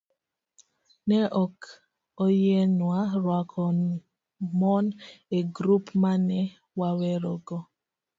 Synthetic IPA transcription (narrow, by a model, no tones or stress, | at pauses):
nɛʔɔk | ɔjɛnwaɾwakʰɔ | mɔneɡɾupmanɛ | wawɛɾɔɡɔ